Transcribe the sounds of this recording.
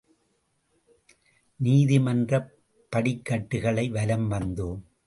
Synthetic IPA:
niːðɪmɐndrɐ | pːɐɽɪkːɐʈːɯɣɐɭɐɪʋɐlɐmʋɐnd̪ɯm

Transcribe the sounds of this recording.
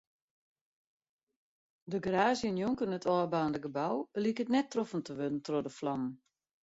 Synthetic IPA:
dəɡraːzjənjuŋkənətʰɔːbaːndəɡəbawlikətnɛtːrɔfən̩təʋødən̩trodəflɑmən

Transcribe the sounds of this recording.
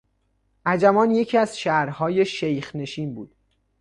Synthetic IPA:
ʔæd͡ʒæmɒːnje̞cʰiæz̥ʃæɾhɒːje̞ʃejxne̞ʃiːnbuːd̪̥

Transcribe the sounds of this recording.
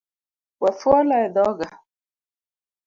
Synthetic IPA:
wafualaɛd̪ɔɡa

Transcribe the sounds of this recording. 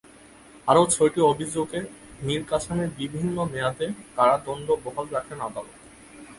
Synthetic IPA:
aɾowt͡ɕʰojʈiobʱid͡ʑoɡemiɾkat͡ɕʰaneɾbibʱinːomejat̪ekaɽad̪ɔnd̪obɔɦalɾakʰenad̪alot̪

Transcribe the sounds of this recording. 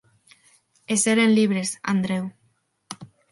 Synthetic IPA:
eseɾenliβ̞ɾesa̰nd̪ɾew

